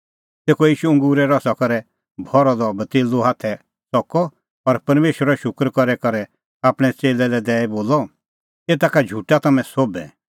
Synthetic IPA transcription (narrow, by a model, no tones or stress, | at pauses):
t̪eːkɔjiːʃuɐ̃ŋɡuːɾɛɾɔsakɔɾɛ | bʱɔɾɔd̪ɔbɐt̪eːluɦaːt̪ʰɛ | sɔkɔ | ɔɾpɐɾmeːʃwəɾɔʃʊkɾkɔɾɛkɔɾɛ | aːpɽ̃ɛt͡seːlɛlɛd̪ɛːɛboːlɔ | eːt̪aːkad͡ʒʱuːʈat̪ɐmɛ̃sobɛ̰